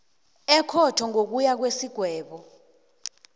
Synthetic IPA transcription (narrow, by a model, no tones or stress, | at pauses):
ɛkʰɔtʰɔŋʱok̬ujak̬wesiɡ̥ʱwɛːɓɔ